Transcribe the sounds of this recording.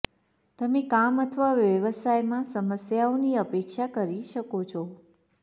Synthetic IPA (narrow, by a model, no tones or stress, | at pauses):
t̪əmẽkamət̪ʰəʋaʋjəʋəsajmãsəməsjaoniəpekʃakəɾiʃəkot͡ʃʰɔ